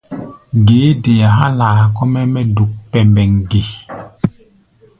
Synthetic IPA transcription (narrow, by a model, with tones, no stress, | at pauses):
ɡeː˨˦de˨ja˨ɦa˦laː˨kɔ˦mɛ˦mɛ˦du˨k̚pɛ˨mbɛ˨ŋɡe˨